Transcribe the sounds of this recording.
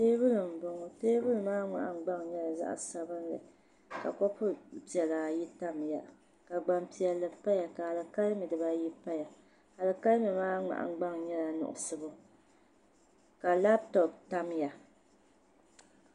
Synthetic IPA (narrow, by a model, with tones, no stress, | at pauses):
teː˦bɨ˦lɨ˨m̩˨bʊ˨ŋʊ˨teː˦bɨ˦lɨ˨maː˦ŋ͡ma̰˨ʔa˨ŋ͡m̩˦ɡ͡ba˦ŋ˨ɲɛ˦la˨za̰˦ʔsa˦bɨ˦n˦lɨ̰˨ | ka̰˨kɔ˦pʰʊ˦pi˨ɛ˨la˨ji˦ta˦mja˨ | ka˨ɡ͡ba˨mpi˨ɛ˨lːɨ˨pa˦ja˨ka˨ha˨lɨ˨ka˦lmi˨dɨ˨ba˦ji˦pa˦ja˨ | ha˨lɨ˨ka˦lmi˨maː˦ŋ͡ma̰˨ʔa̰˨˦ɡ͡ba˦ŋɲɛ˦la˨nʊ̰˨ʔʊ̰˨sɨ˦bʊ˦ | ka˨la˦b̚tɔ˨p̚ta˦mja˨